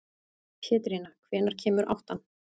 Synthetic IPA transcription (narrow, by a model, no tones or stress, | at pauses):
pʰɛːt̪ɾinakʰv̥ɛːnaɾ̥cʰɛːmʏɾʔa̰wht̪an